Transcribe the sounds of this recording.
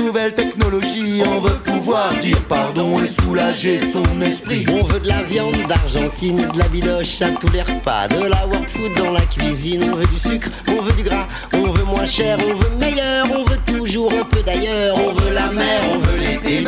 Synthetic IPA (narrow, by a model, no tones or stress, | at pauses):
uvɛlt̪ɛknɔlɔʒiɔ̃vøpuvwaʁd̪iʁpaʁd̪ɔ̃esulaʒesɔ̃nɛspχiɔ̃vød̪əlavjɑ̃d̪ːaʁʒɑ̃t̪ined̪əlabilɔʃat̪ulɛʁpa̰d̪əlawɛʁt̪fut̪̚d̪ɑ̃lakʲɥizinɔ̃vød̪ysykχɔ̃vød̪yɡʁa | ɔ̃vømwɛ̃ʃɛʁɔ̃vømejœʁɔ̃vøt̪uʒuʁɛ̃pød̪ajœʁɔ̃vølamɛʁɔ̃vøle